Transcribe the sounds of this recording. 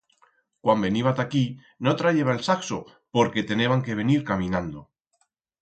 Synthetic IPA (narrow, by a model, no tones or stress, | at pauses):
kwambe̞niβat̪aki | not̪ɾaʝe̞βaelsakso | po̞ɾke̞t̪e̞ne̞βaŋke̞β̞e̞niɾkamĩnãnd̪o̞